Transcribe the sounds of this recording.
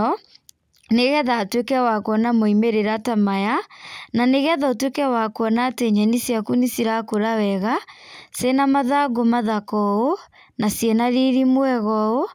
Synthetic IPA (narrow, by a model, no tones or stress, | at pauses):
ɔ | neɣɛðatwekɛwakwɔnamoimeɾeɾatamajananeɣɛðaotwekɛwakoɔnateɲɛnisiakunisiɾakoɾawɛɣasenamaðaɡomaðakɔo | nasjɛnaɾiɾimwɛɣɔo